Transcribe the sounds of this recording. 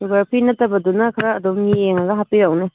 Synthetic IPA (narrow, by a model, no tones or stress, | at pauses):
ɡaɾpʰinɐtːɐbɐdunɐkʰɐɾaːdomieŋɐɡɐɦapiɾɐwne